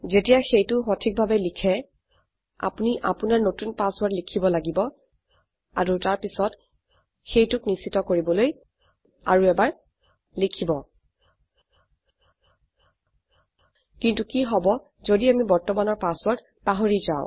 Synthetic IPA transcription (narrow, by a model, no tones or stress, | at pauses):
zetijaxejtʊxotʰik̚bʱabɛlikʰɛ | a̰puniʔapunaɹnotunpaswɔɹtlikʰibɔlaɡibɔ | a̰ɹutaɹpisɔt | xejtʊknisitɔkoɹibɔloj | aɹuɛbaɹ | likʰibɔ | kintukiɦɔbɔ | zodiamibɔɹtɔmanɔɹpaswɔɹt | paɦoɹiza̰ʊ̃